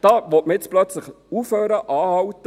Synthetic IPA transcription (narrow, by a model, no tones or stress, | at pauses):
d̥ɑːʋɔt̚məjɪt͡splœt͡sləχ | uːfhøːɾəʔɑːhɑwtə